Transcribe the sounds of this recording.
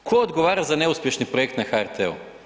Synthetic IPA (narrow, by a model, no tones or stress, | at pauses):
kʰood̪ɡoʋaːɾazaneuspʲjeʃnipɾojekt̪naxaɛɾt̪ʰɛṵ